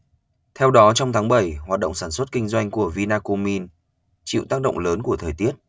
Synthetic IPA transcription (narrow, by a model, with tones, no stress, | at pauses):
t̪ʰɛ˧wɗɔ˨˦t͡ɕɔ˧wŋ͡mt̪ʰaː˨˦ŋɓə˧˩jɦwaː˨˩t̚ɗə̰˧˨wŋ͡msaː˧˩nswə˦˥t̚kï˧ŋ̟zwa˧jŋ̟ku˧˩əvi˧naː˧ko˧mi˧n | t͡ɕḭ˧˨wt̪aː˦˥k̚ɗə̰˧˨ŋ͡mləː˨˦nku˧˩ət̪ʰəː˨˩jt̪i˦˥ət̚